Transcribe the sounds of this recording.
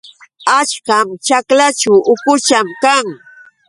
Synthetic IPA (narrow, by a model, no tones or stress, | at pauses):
at͡ʃkamt͡ʃaklat͡ʃawʊkʊt͡ʃamkaŋ